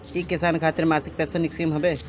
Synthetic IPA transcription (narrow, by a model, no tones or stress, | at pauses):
ikːisankʰat̪iɾmasik̚pɛsaniksimɦəbe